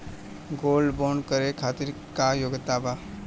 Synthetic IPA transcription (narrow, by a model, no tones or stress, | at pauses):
ɡolbonkəɾekʰat̪iɾ | kajoɡət̪aba